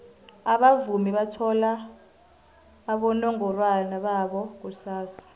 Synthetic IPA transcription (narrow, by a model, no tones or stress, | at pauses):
aɓavumiɓatʰɔla | ɓɔnɔŋɔlwanaɓaɓɔk̬usaːsḁ